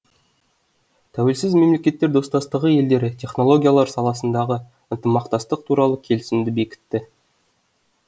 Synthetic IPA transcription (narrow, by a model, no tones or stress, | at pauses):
t̪ʰæwe̞lsɪzme̞mle̞kʲe̞t̪ːe̞ɾd̪o̞st̪ɑst̪əʁəje̞ld̪e̞ɾɪt̪ʲʰe̞χno̞lˠo̞ɡʲijalˠɑɾsɑlˠɑsənd̪ɑʁə | ənt̪əmɑqt̪ɑst̪əq̚t̪ʰuɾɑlˠəkʲʰe̞lɪsɪmd̪ɪbe̞kʲɪ̥t̪ːɪ